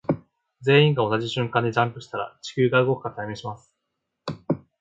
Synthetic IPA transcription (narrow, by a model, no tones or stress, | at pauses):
d͡ze̞ːĩŋɡao̞nad͡ʑiɕɨ̃ŋkãnd̪e̞d͡ʑãmpɯ̟ɕi̥t̪aɾa̰t͡ɕi̥kʲɨːɡaɯ̟ɡo̞kɯ̟̥kat̪ʰajmẽ̞ɕimasɨ̥